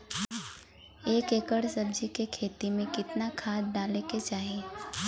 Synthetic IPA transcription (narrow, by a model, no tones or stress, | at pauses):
eːkeːkəɽsɐb̚d͡ʒikekʰeːt̪imẽkɪt̪nakʰaːd̪̚d̪aːleket͡ʃaːɦieː